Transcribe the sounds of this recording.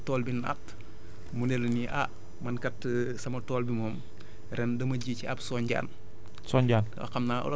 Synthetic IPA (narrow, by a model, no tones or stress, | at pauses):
tɔːlbina̰t | munelniʔa | mɐnkɐtːsɐmɐtɔːlbimɔːm | ɾɛndɐmɐɟiciɐbsɔːɲɟa̰ːn | sɔːɲɟaːnwɐ̰xɐmnaːɔ̰l